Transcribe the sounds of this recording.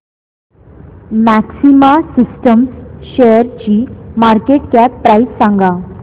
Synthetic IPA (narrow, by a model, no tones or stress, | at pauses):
mæksimasisʈəmsɕejəɾt͡ɕiːmaɾkeʈkæpːɾaissãŋɡa